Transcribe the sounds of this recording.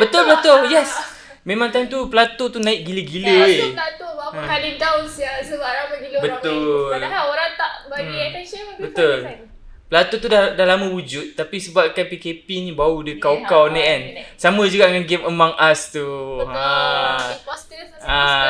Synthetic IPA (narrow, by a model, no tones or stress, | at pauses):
bət̪ʊlbət̪oljɛs | mẽmãŋt̪ajmt̪upəlat̪ot̪unaɪʔ̚ɡiləɡiləlat̪obkalint̪aʊnsjasəbaʔɾamaɡiləbət̪ʊlaaoɾat̪aʔbaɡiatɛʃəbət̪ʊl | pəlat̪ot̪udadahlamãwud͡ʒʊt̪̚tːapisəbap̚kanpikepinĩbaudəkawkawnaansamə̃d͡ʒuɡaʔdəŋanɡɛməmaŋʔast̪uã | st̪ | a